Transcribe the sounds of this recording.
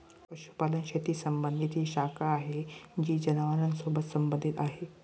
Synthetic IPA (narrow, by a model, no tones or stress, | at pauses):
pɐʃu̥paːlənʃet̪iːsəmbənd̪ʱit̪ʰiːʃakaːɦed͡ʑiːd͡ʑɐnaʋaɾənsobət̪səmbə̃nd̪ʱit̪aːɦe